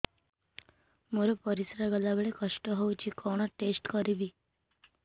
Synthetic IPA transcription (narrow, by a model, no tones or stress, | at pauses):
moɾepəɾisɾaɡəlabeɭekəʂʈəɦowt͡ɕiːkʰɔɽ̃ɔʈesʈkəɾibiː